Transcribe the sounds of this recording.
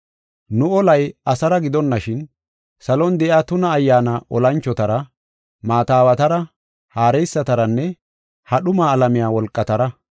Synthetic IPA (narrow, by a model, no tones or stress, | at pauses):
nʊɔlɐjɐsɐɾɐɡɪd̪ɔnːɐʃɪn | sɐlɔnd̪ɛʔaːt̪ʊnɐːjːaːnɐʔɔlɐnt͡ʃːɔt̪ɐɾɐ | maːt̪aːwɐt̪ɐɾɐ | haːɾɛjsːɐt̪ɐɾɐnːɛ | hɐɗʊmaːlɐmɪjaːwɔlkʼːɐt̪ɐɾɐ